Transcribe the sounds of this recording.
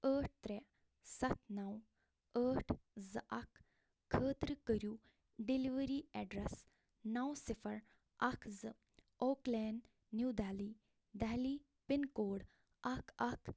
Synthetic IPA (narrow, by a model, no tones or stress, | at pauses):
əːʈ̚ʰt̪ɾe | sɐt̪ʰnɐw | əːʈʰzɨʔɐkʰː | əːt̪ɾɨkəɾjuː | ɖiliʋəɾiːɛɖɾɛs | nɐwsɪfʰɐɾ | ɐkʰzɨ | oːklɛːnɖ | nuwd̪aːliː | d̪aːliː | pinkoːɽ | ɐkʰɐkʰ